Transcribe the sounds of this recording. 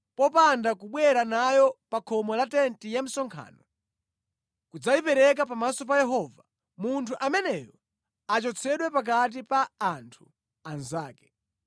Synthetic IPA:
pɔpandakuɓwɛɾanajɔpakʰɔmɔlatɛntijam̩sɔŋkʰa̰ːnɔ | kud͡zajipɛɾɛk̬apamasɔp̬ajɛɦɔva | muntʰuʔamɛnɛjɔ | at͡ʃɔt͡sʰɛɗwɛpak̬at̬ipaːntʰu | anzaːkɛ̥

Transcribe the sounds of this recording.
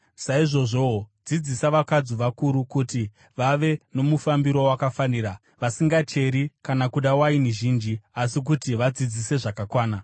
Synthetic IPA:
saiʐo̞ʐo̞d͡zid͡zisaʋakad͡zuʋakuɾukuti | ʋaʋe̞no̞mufambiɾo̞wakafaniːɾa | ʋasiŋɡat͡ʃe̞ɾikanakuɗawainiʒind͡ʒiasik̬utiʋad͡zid͡zise̞ʐakakwaːna

